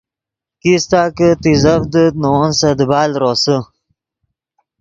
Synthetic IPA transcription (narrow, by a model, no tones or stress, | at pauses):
kist̪aːkət̪izɐfd̪ənonsɐd̪əbaːlɾoːsə